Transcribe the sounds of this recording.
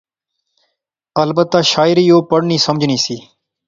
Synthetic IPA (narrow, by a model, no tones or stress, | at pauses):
əlbət̪ːaːʃaːɪɾiːjoːpəɽniːsəməd͡ʒʱniːsiː